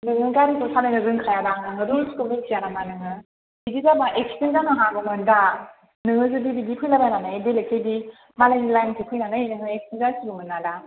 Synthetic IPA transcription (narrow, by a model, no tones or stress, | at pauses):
nɯŋɯɡaɾitɔsʰadanɯɾɯŋkʰajadaŋnɯŋɐduskulisʰijanamanɯŋɯ | idizabaʔekstenzanŋaɦabɯmɯnda | nɯŋɯzɯbibidipʰɯjlabananaidelekʰejdi | malajnilajnkʰipʰɯjnanajinɯŋɯekstenzasibumɯnːada